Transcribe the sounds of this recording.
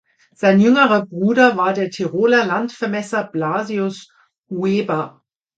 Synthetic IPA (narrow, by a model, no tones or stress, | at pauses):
z̥aɪnjʏŋəʁɐbʁuːdɐvaːɐdeːɐtʰiʁoːlɐlantfɛɐmɛsɐb̥laːziʊs | ueːbɐ